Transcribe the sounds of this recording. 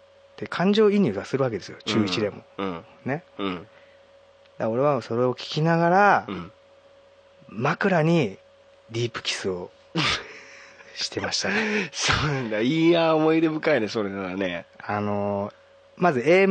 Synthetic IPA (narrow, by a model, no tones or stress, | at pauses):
t̪ːekʰãɲ̟d͡ʑo̞ːiɲ̟ʲɨːasɨɾɯ̟ak̬e̞d̪e̞sɨjo̞t͡ɕɨːit͡ɕid̪e̞mõ̞̰ | ne̞ | d̪ao̞ɾe̞βaso̞ɾe̞o̞kʲi̥kʲinaɡaɾã | makɯ̟ɾaɲ̟i | ɾʲiːpɯ̟̥kʲi̥sɨo̞ | ɕi̥t̪e̞maɕi̥t̪asoːnãnd̪aiːaomo̞id̪e̞bɯ̟kaid̪eso̞ɾenaaneano̞ | mazɨe̞ː